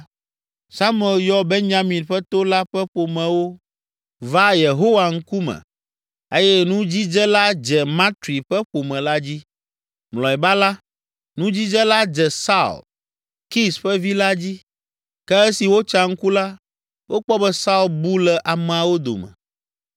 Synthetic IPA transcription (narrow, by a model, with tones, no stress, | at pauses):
sa˦m˦ɛ˨ljɔ˦bɛ˦ɲɲa˦mĩ˨nɸɛ˦t̪o˦la˦ɸɛ˦ɸo˨mɛ̃˨wo˦ | va˦je˨ɦo˦wa˨ŋ̩˦ku˦mɛ̰̃˨ | e˦jɛ˦nũ˦d͡ʑi˦d͡ʒɛ˦la˦d͡ʒɛ˨mã˦t̪ɾi˨ɸɛ˦ɸo˨mɛ̃˨la˦d͡ʑi˦ | mlɔ˨ɛ˨ba˦la˦ | nũ˦d͡ʑi˦d͡ʒɛ˦la˦d͡ʒɛ˨sa̰˦˨l | ki˦sɸɛ˦vi˦la˦d͡ʑi˦ | kɛ˦e˦si˨wo˦t͡ʃa˦ŋ̩˦ku˦la˦ | wʔo˦k͡pɔ˦bɛ˦sa˦u˦˨lbu˦lɛ˨ʔa˨mɛ̃˨a˨wo˦d̪o̰˨mɛ̰̃˨